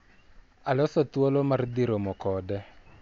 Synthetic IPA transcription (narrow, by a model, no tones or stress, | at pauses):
alɔsɔt̪wolomard̪iɾomɔkɔdɛ